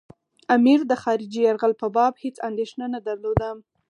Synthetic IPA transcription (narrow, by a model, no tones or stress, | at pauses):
amiɾd̪əxɑɾɪd͡ʒijaɾɣalpəbɑbhet͡sand̪eʃnanad̪aɾlod̪am